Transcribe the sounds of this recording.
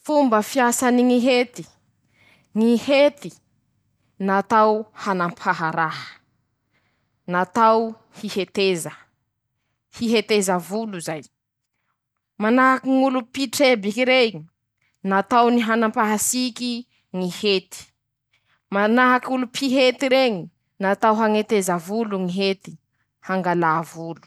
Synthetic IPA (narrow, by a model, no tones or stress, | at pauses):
fumbəfiasaniŋiɦet̪i̥ | ŋihet̪i | nat̪awhanampʰaɦaɾaɦə̥ | nat̪aw | hihet̪ezə | hiɦet̪ezəvuluzaj | manaɦakiŋulupiʈ͡ʂebikiɾe | nat̪awniɦanampaɦasiki | ŋihet̪i̥ | manaɦakulupʰiɦet̪iɾeŋi | nat̪awɦaŋet̪ezavuluŋiɦet̪i̥ | haŋɡalaːvulu̥